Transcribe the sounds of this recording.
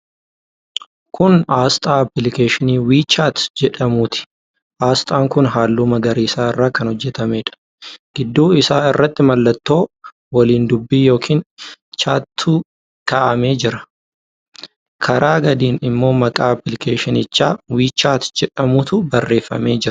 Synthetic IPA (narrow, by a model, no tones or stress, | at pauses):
kʊnaːst̪ʼaːɐplɪkeːʃɪniːwiːt͡ʃːaːt̪d͡ʒɛᶑɐmʊt̪ɪ̥ | ʔaːst̪ʼaːŋkʊnɦaːlːumɐɡɐɾiːsaːɪrːaːkɐnhɔd͡ʒːɛt̪ɐmeːᶑɐ̥ | ɡ̥ɪd̪ːuːɪsaːɪrːɐt̪ːɪmɐlːɐt̪ːo̞ː | wɐliːnd̪ʊbːiːjo̞ːkʰiːnt͡ʃaːt̪ʰːuː | kaːʔɐme̞ːd͡ʒɪɾɐ | kʰɐɾaːɡɐd̪iːnɪmːo̞ːmɐkʼaːɐpɪlɪkeːʃɪnɪt͡ʃːaːwiːt͡ʃːaːt̪d͡ʒɛᶑɐmʊt̪ʊbɐrːe̞ːfːɐ̰me̞ːd͡ʒɪɾɐ̥